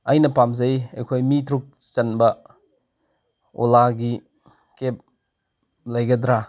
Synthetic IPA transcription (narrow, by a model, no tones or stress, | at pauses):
ɐjnɐpamzɐjḛjkʰojmitʰɾuk̚ | t͡ʃɐnbɐ | o̰laɡi | kep̚ | lɐjɡɐdɾa